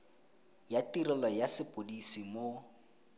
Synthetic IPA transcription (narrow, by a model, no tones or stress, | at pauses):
jatirɛlɔjasɪpʼodisimo